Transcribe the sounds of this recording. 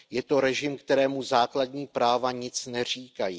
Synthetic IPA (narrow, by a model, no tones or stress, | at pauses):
jɛt̪o̞ɾɛʒɪmkt̪ɛɾɛːmuzaːkladɲiːpɾaːvaɲɪt͡snɛr̝iːkajiː